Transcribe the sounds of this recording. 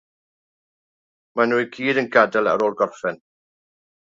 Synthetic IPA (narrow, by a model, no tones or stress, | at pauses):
manuːjkʰiːdənɡadalˠa̰ɾoːlˠɡɔrfɛn